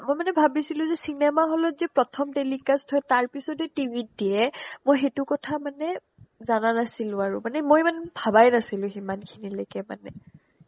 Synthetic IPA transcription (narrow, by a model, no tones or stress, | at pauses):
mojmanɛbʱabisilʊ̃zɛsinɛmaɦɔlɔzɛpɹɔtʰɔmtelikastʰɔjtaɹpisɔtɛtibʱit̚diɛmojxetʊkɔtʰamanɛ | zananasilʊ̃aɹʊmanɛmojmanbʱabajnasilʊ̃ximankʰinilojkɛma̰nɛ̰